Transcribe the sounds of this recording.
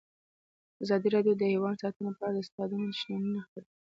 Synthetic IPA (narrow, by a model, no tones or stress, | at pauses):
azɑd̪iɾɑɖjod̪əhewɑnsɑt̪ənopəɑɽad̪əst̪ɑd̪ənod̪əʃnɑnunaxpaɾ